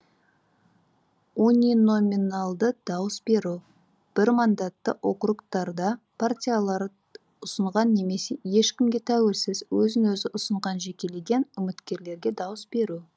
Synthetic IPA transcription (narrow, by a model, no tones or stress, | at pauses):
unʲino̞minalˠd̪əd̪̥ɑwəsbe̞ɾu | b̥ɪɾmɑnd̪ɑt̪ːə̰ʔo̞qɾukt̪ɑɾd̪ɑpʰartʲijalˠɑɾ | ʊsəɴʁɑnːe̞me̞se̞je̞ʃkʲɪmɡʲe̞t̪ʰæwe̞lsɪzwɵzɪnwɵzɪʔʊsəɴʁɑnʒe̞kʲe̞le̞ɡʲe̞nʏmɪt̪kʲe̞ɾle̞ɾɡʲe̞d̪ɑwəsbe̞ɾu